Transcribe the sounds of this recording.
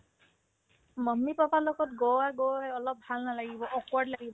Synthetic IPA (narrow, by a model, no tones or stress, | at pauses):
mɔmːipapalɔɡɔtɡɔwaɡowɦɛɔlɔp̚halnalaɡibɔʔɔkwaɹdlaɡibɔ